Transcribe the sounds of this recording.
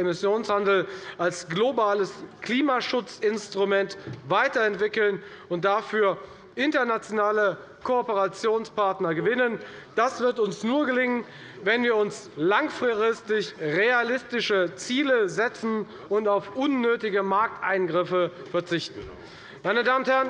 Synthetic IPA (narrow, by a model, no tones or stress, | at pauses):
emɪsjoːnshandl̩ʔalsɡ̥lobaːləskl̥iːmaʃʊt͡sɪnstʁ̥umɛntvaɪtɐɛntv̥ɪkl̩n | ʊnt̚d̥afyːɐ | ʔɪntɐnat͡sjonaːlə | kʰoːpəʁat͡sjoːnspaɐtnɐɡəvɪnənd̥asv̥ɪɐtʊnsnuːɐɡəlɪŋən | vɛnviːɐʊns | laŋfʁ̥ɪɪstɪçʁealɪstɪʃət͡siːləzɛt͡sn̩ | ʊntaʊfʔʊnːøːtɪɡəmaɐk̚tʔaɪnɡʁɪfəfɛɐt͡sɪçtn̩ | maɪnədaːmnthɛːɐən